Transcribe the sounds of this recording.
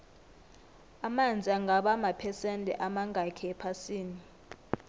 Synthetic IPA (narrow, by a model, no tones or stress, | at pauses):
amand͡zʱiaŋɡʱaɓamapʰɛsɛntʼɛ̰ʔamaŋɡʱakʰɛɛpʰasiːni